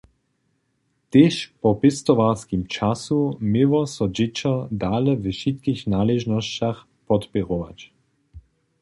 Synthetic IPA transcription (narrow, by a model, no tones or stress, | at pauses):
t̪eːʃpɔpɪst̪ɔʋaskimt͡ʃasumɪvɔsɔd͡ʑɪt͡ʃɔd̪aːlɛvəʃit̪kixnaːlɛʒnɔst͡ɕax | pɔt̪pɛʁɔʋa̰t͡ɕ